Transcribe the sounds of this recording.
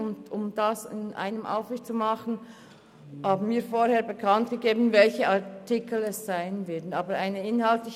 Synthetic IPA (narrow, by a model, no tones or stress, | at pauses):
ʊndʊmd̥asɪ̰nʔa̰ɪnəmʔa̰ʊfvɪçt͡sumɑχn̩ | haːbn̩miːfoːɾheːɐbəkʰɑntɡ̥əɡeːbn̩vɛlçəʔɑtɪkʰl̩ɛsz̥aɪənvɛɐdn̩ɑːbəɾaɪnəɪnhaltlɪç